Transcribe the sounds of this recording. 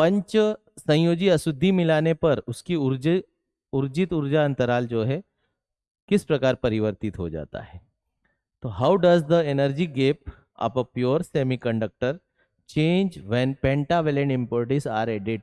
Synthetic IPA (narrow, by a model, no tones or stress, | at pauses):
pɐ̃ɲt͡ʃ | sɐ̃joːd͡ʒiɐsʊd̪ʱːimɪlaːnepɐɾʊskiʊɾ | ʊɾd͡ʒɪt̪ʊɾd͡ʒaɐ̃nt̪əɾaːld͡ʒoːɦɛ | kɪspɾɐkaːɾpɐɾɪʋəɾt̪ɪt̪ɦo̰d͡ʒa̰ːt̪a̰ɦɛː | t̪oːɦaʊɖɐzd̪əenəɾd͡ʒiɡeːp̚ | ɐ̰pəpjoːɾseːmikɐ̃ɳɖək̚ʈəɾ | t͡ʃẽːɲd͡ʒʋɛpɛ̃ːɳʈaʋɛlẽɳɖɪ̃mpoːɾʈɪsaːɾeːɖɪʈ̚